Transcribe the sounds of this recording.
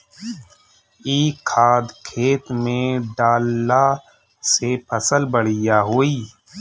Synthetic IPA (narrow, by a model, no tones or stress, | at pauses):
iːkʰːaːd̪kʰeːt̪mẽɖaːlːa | sepʰəsəlbəɽ̤ɪjaɦoːiː